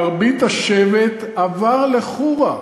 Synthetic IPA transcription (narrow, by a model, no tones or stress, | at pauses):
ʁbit̪aʃevet̪ | avaʁleχuʁa